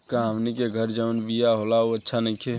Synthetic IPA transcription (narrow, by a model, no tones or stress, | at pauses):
kãɦəmnikeɡʱəɾd͡ʒəunbijaɦolaoətːʃʰanəĩkʰe